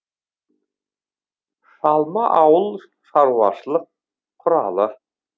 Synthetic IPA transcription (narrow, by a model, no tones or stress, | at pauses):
sɑlˠmɑʔɑwɤlˠ | ʃɑɾwɑʃlˠɤq̚ | qʰːŏɾɑ̰lˠɤ